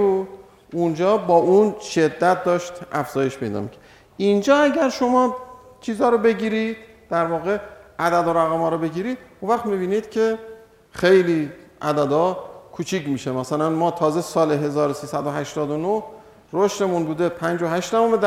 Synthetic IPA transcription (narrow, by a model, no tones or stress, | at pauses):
ud̪ | und͡ʒɒːbɒːʔunʃe̞d̪ːæt̪̚d̪ɒːʃt̪æfz̥ɒːje̞ʃpʰe̞jd̪ɒ̰ːmḭcʰæ | ind͡ʒɒːæɟæɾʃo̞mɒː | t͡ʃʰiːzɒːɾobe̞ɟiːɾid̪̥ | d̥̪æɾvɒːɣe̞ʔæd̪æd̪oɾæɣæmɒːɾobe̞ɟiːɾiːd̪̥unvæχt̪mibiːniːd̪̥cʰe̞ | xejliːʔæd̪æd̪ɒːkʰuːt͡ʃʰiːcmiːʃemæsælænmɒːt̪ʰɒːze̞sɒːleɦe̞zɒːɾosiːsæd̪oɦæʃt̪ɒːd̪onoh | ɾoʃt̪e̞munbuːd̪e̞pʰænd͡ʒoɦæʃt̪d̪ævomed̪